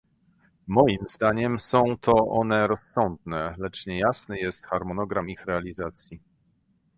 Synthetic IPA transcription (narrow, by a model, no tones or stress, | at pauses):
mɔjimzd̪aɲɛmsɔ̃w̃t̪ʰɔʔɔnɛɾɔsːɔnd̪̚nɛlɛt͡ʂɲɛjasnɛjɛst̪xaɾmɔnɔɡɾamixɾɛalʲizat̪sʲji